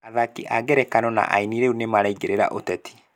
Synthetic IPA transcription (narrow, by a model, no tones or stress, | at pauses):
aðakiʔaɡɛɾɛkanɔna̰ʔa̰iniɾeunemaɾaiɡeɾeɾa̰ʔotɛtʰi̥